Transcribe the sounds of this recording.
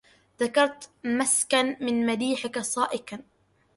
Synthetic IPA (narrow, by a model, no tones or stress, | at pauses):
ðakɑɾˤt̪maskanmɪnmad̪iːħɪkasˤɑːʔɪkan